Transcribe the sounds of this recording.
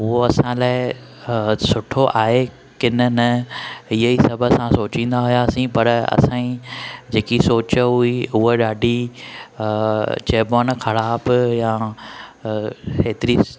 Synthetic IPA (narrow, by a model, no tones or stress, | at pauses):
ɦʊɦoɐsãːlaːɪ | sʊʈʰoʔaːɦe | kɪnənɐɪɦəisɐbʱəsãsoːt͡ɕĩːnd̪aɦʊjasĩpɐɾɐ̰sãĩd͡ʑeːkisoːt͡ɕəɦʊiʊɦeɗaːɖʱi | t͡ɕeːbɔːnxʰɐɽaːbjãː | ɦeːt̪ɪɾi